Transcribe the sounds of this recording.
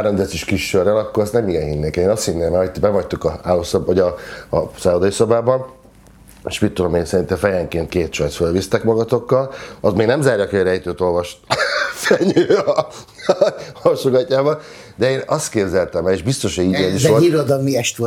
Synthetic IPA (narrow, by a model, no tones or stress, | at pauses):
aɾomd̪ɛsiʃkiʃørːɛlɒkːoɾɛst̪nɛmiɡɛnhinːeːkɛeːnɒst̪hinːeːmɛjt̪bɛmɒct̪ukɒaːlːoːsbɦoɟɒ | saːod̪ɒjisɒbaːbɒn | ʃmit̪ːud̪omeːnsɛɾint̪ɛfɛjɛŋkeːnt̪keːt̪t͡ʃɒjt̪sfølvist̪ɛkmɒɡɒt̪o̞kːɒlɒst̪meːɡnɛmzaːɾjɒkɛɾɛjt̪øːt̪o̞lvɒʃt̪fɛɲøːɒ | ɒʃoɡɒcːaːbɒ | d̪ɛeːnɒst̪keːbzɛlt̪ɛmɛleːʒbist̪o̞ʃieːniʃoiɾod̪ɒlmiɛʃt̪o